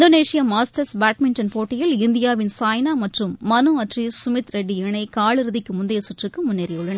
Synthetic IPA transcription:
d̪oːneːʂɪjɐmaːsʈɐɾsbaːʈmɪnʈɐnpoːʈːɪjɪlɪnd̪ɪjaːʋɪnsaːjnaːmɐʈrɯmːɐnɯɐʈrisʊmɪt̪ɾɛɖːiɛɳɐɪkaːɭɪɾɯðɪkːɯmʊnd̪ɐjɐsʊʈrɯkːɯmʊnːeːɾɐjʊɭːɐnɐ

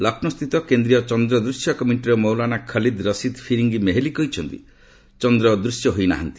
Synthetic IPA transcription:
lakʰnɔst̪ʰit̪ɔkend̪ɾijɔt͡ʃɔnd̪ɾɔd̪ɾusjɔkɔmiɳʈiɾɔmɔwlanakʰəlid̪ɾəsid̪pʰiɾiŋɡimeɦelikɔɦit͡ʃʰɔnt̪ḭ | t͡ʃɔnd̪ɾɔd̪ɾusjɔɦojna̰ɦant̪i̥

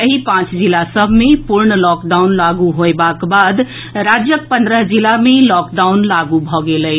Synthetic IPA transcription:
əɦipãt͡ʃd͡ʒilasəbʱmepuɾɳəlɔkɖawnlaɡuɦoebakbad̪ | ɾad͡ʒjək̚pə̃nd̪ɾəɦd͡ʒilamelɔkɖawnlaɡubʱɔɡeləɪ

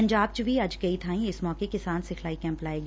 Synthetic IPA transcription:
ɲd͡ʒaːb̚t͡ʃbʱiɐd͡ʒkɐit̪ʰãːĩɪsmɔːkekɪsaːnsɪkʰlaːikɛ̃ːmplaːeːɡ

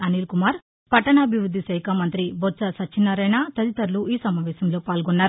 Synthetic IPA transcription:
ɐniːlkumaːɾ | pɐʈːɐnɐːbʱiʋɾud̪ʱːisɐjkʰɐmɐnt̪ɾiboɾt͡ʃɐsɐt͡ʃːʃʰinːɐɾɐjnat̪ɐd̪it̪ɐɾluiːsɐmaːʋɛːsɐmlo̞ːpaːlɡɔnːaːɾu

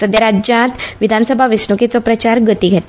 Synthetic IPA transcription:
səd̪jəɾad͡ʑjãt̪ʋid̪ʱansəbʱaʋisɳukit͡sɔpɾət͡ɕaɾɡət̪iɡʱɛt̪

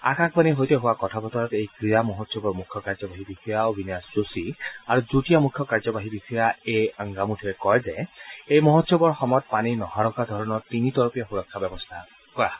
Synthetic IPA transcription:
a̰kakʰbaniɦojtɛɦʊwakɔtʰabɔtɔɹɔtejkɹijamɔɦɔtsjɔbɔɹmukʰjɔkaɹzɔbaɦibikʰijaobʱinjasɹusiaɹuzutijamukʰjɔkaɹzɔbaɦibikʰijaeaŋɡamutʰiɹɛkɔjzɛejmɔɦɔtsjɔbɔɹxɔmɔt̚paninɔhaɹɔkadʱɔɹɔnɔɹtinitɔɹɔpijaxuɹɔkʰːabɛbɔstʰa | kɔɹa

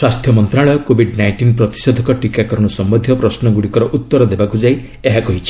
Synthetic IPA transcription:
swast̪ʰjɔmɔnt̪ɾaɭɔjɔkobʱiɖnajɳʈinpɾɔt̪i̥sod̪ʱɔkɔʈikakɔɾɔɽ̃usɔmbɔnd̪ʱjɔpɾɔsnɔɡuɽikɔɾɔʔut̪ːɔɾɔd̪ebakud͡ʒai | eɦakɔɦit͡ʃʰi̥

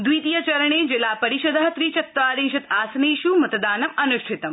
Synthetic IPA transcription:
d̪ʋiːt̪ijɐt͡ʃɐɾɐɳ̃eːd͡ʒelaːpɐɾiʃɐd̪ʱɐɦɐt̪ɾiːt͡ʃɐt̪ːʋaːɾẽːŋʃɐt̪aːsɐneːʃumɐt̪d̪aːnɐmɐnuʃʈʰit̪ɐm

